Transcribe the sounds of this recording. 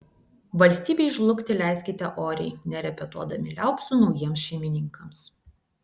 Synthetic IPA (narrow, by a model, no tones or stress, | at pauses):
ʋɐlʲsʲt̪ʲiːbʲɛɪʃlˠʊkʲt̪ʲɪlʲæˑɪsʲkʲɪt̪ʲɛʔoːɾʲɛ̰ɪnʲɛɾʲɛpʲɛt̪uɔd̪ɐmʲɪlʲæˑʊksʊnɒʊjiɛmsʃʲɛɪmʲɪnʲɪŋkɐms